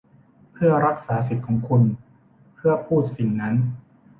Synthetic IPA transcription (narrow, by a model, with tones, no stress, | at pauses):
pʰɯ˥˩ɐɾa˦˥k̚saː˩˦si˨˩t̪̚kʰɔː˩˦ŋkʰu˧n | pʰɯ˥˩ɐpʰuː˥˩t̪̚si˨˩ŋna˦˥n